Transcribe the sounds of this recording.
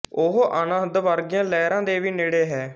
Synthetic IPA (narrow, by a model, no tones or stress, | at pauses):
ʊɦʔənə̃d̪ʋəɾɡɪjãːlɛːɾãːd̪eːʋiːneːɽeːɦɛː